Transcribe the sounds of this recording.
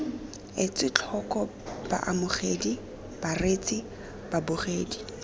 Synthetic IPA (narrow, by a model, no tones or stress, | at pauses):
ɪt͡sʼɪt͡ɬʰɔkʼɔ | b̥a̰ʔamʊχedi | b̥aret͡sʼi | b̥abʊχeːdi